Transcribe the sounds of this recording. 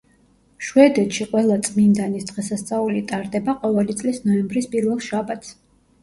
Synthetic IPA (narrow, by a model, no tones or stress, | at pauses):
ʃwɛd̪ɛt̪ʃiqʼwɛlˠat̪sʼmind̪anisd̪ʁɛsast̪sʼaulit̪ʼaɾd̪ɛbaqʼɔvɛlit̪sʼlisnɔɛmbɾispʼiɾvɛlˠʃabat̪ʰs